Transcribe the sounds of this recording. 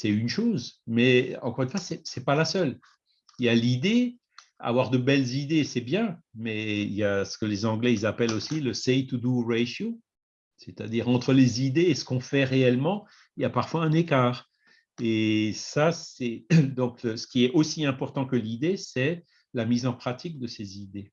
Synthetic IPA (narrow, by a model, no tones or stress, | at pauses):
sɛynʃoːzmɛɑ̰̃kɔʁynfwasɛsɛpalasœl | iljalid̪e | a̰vwaʁd̪əbɛlzid̪esɛbjɛ̃mɛḭljasə̥kəlezɑ̃ɡlɛizapɛlosiləsɛjt̪ud̪uʁeʃo | set̪a̰d̪iːʁɑ̃t̪χəlezid̪eːsə̥kɔ̃fɛʁeɛlmɑ̃ | iljapaʁfwaɛ̃nekaːʁ | esasɛd̪ɔ̃ksə̥kʲiɛʔosiɛ̃pɔʁt̪ɑ̃kəlid̪esɛ | lamizɑ̃pχat̪ʰik̚d̪əsezid̪e